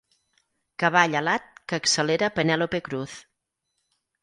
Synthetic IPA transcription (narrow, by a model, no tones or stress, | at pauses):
kəβaʎəlat̪̚kəːksəleɾəpənɛlopekɾuθ